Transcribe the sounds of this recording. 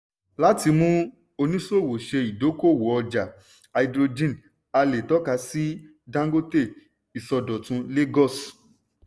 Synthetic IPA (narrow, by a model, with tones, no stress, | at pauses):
la˦ti˧mũ˦ | o˧nĩ˦so˦˨wo˨ʃe˧i˨do˨˦ko˦˨wo˨˦ɔ˧d͡ʒa˨ | a˧i˨˧dɾo˧d͡ʒĩ˦˨n | a˧le˨tɔ˦ka˧˦si˦ | dã˦ɡo˦te˦˨ | i˨sɔ˧dɔ˨tũ˧le˦ɡɔ˦˨s